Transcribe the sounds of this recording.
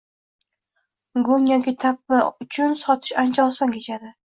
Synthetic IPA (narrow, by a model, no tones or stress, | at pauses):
ɡʊŋjɒkʲit̪ʰapːɪʊt͡ʃʰʊnsɒt̪ʰɪ̥ʃant͡ʃʰɒlˠsaŋkʲʰet͡ʃʰad̪ɪ